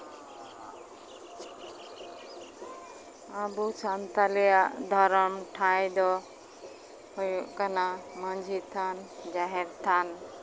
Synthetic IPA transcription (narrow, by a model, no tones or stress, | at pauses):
abut͡ʃant̪alɛjaʔd̪ʱɔɾɔmʈʰajd̪ɔ | hɔjuʔkanaməɲd͡ʒʱit̪ʰand͡ʒaɦɛɾt̪ʰan